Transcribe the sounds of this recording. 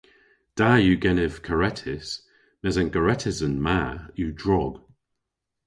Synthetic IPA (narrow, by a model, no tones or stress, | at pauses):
d̥ajuɡɛnɪv̥kʰəɹɛtʰɪs | mɛzanɡəɹɛtʰɪsənmajudɹɔɡ̥